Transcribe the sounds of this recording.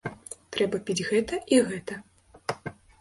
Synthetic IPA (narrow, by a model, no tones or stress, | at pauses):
t̪ɾɛbɐpʲid͡zʲɣɛt̪ɐʔiɣɛt̪ɐ